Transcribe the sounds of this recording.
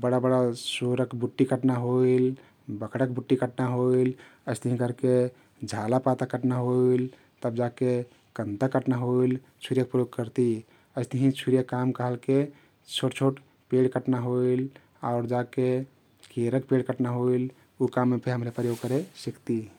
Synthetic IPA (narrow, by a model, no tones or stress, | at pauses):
bəɽabəɽasoɾəkbuʈːikəʈnaɦoil | bəkɽəkbuʈːikəʈnaɦoiləɪst̪əɦĩkəɾke | d͡ʒʱalapat̪akəʈnaɦoil | t̪əbd͡ʒake | kənt̪akəʈnaɦoil | t͡ʃʰuɾijək̚pɾəjoɡ̚kəɾt̪i | əɪst̪əɦĩt͡ʃʰuɾijəkːamkəɦəlke | t͡ʃʰoʈt͡ʃʰoʈ | peɽkəʈnaɦoil | a̰ʊɾd͡ʒake | kʰeɾək̚peɽkəʈnaɦoil | ukamːepʰeɦəmɾepɾəjoɡ̚kəɾesikt̪i